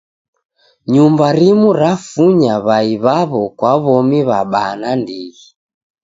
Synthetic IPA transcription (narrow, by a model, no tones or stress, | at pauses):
ɲumbaɾimuɾafuɲaβaiβaβɔkwaβɔmiβaɓanandiɣi